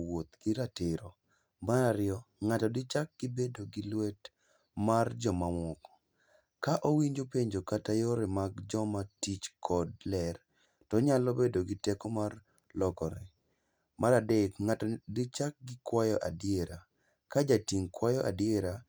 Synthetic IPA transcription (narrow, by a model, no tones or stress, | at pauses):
wot̪ɡ̥iɾatɪɾɔ | maɾaɾɪjɔ | ŋatɔdɪt͡ʃak̚ɡ̥ɪbedoɡilwet | mard͡ʒɔmamɔkɔ̥ | kaʔowiɲd͡ʒopeɲd͡ʒokatajoɾɛmaɡd͡ʒɔmatit͡ʃkʰɔd̚lɛr | tɔɲalɔbedoɡɪtɛkɔmar | lɔkɔɾɛ̰ | maɾadekŋatdit͡ʃak̚ɡɪkwajɔʔadjeɾa | kad͡ʒatiŋkwajɔʔa̰djeɾa